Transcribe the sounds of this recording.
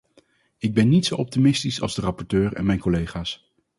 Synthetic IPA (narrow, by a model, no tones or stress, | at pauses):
ɪɡ̚bɛnːitsowɔp̚timɪstisɑ̰lˠzdərɑpɔɹtøːɹɛ̰nmɛjnkɔlejχaːs